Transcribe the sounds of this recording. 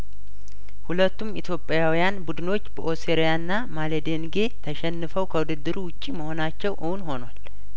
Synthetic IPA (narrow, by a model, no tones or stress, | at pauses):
hulət̪ːumit̪ʰjo̞pʼːjawijanbud̪ɨno̞t͡ʃːbəʔo̞seɾjanːamaled̪enɡe̞t̪ʰəʃɛnːɨfəwkʰəwud̪ɨd̪ːɨɾuwʊt͡ʃʼːiməho̞nat͡ʃːɛwʔɨhunho̞nwal